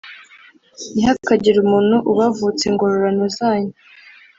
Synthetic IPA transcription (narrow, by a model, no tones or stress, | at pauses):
ihakaɟiɾumuːnhuʔuβavut͡siŋɡo̞ɾoɾanozaːɲe